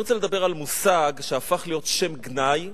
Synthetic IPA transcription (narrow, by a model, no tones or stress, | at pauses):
ʁot͡seled̪abe̞ʁalmusaɡʃeafaχlijo̞tʃe̞mɡnaj